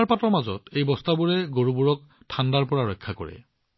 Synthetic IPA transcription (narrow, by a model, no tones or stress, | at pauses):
ɹpatɔmazɔ̰tejbɔstabuɹɛɡoɹubuɹɔk̚ | tʰandaɹpɔɹaɹɔjkʰːakɔ̰ɹɛ̰